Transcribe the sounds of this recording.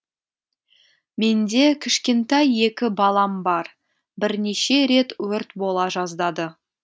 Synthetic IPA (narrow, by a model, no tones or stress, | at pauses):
me̞nd̪e̞kʲʰɪʃkʲe̞nt̪ɑje̞kʲɪbɑlˠɑmbɑɾ | bɪɾne̞ʃe̞ɾe̞t̪wɵɾt̪bo̞lˠɑʒɑzd̪ɑd̪ə